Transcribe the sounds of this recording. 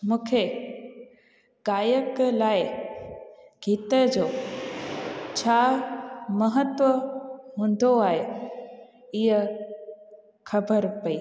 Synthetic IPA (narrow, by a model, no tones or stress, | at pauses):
mũːkʰe | ɡaːjəklaːɪ | ɡ̥ʱiːt̪əd͡ʑoː | t͡ɕʰaː | mɐɦət̪ʋəɦũːn̆d̪oaːɦe | ɪɦə | xʰɐbʱəɾpɐiː